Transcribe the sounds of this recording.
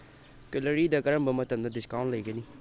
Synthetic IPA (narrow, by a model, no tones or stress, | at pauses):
kɪləɾid̪akɐɾəmbɐmɐt̪əmd̪adɪskaw̃nʈlɐjɡəni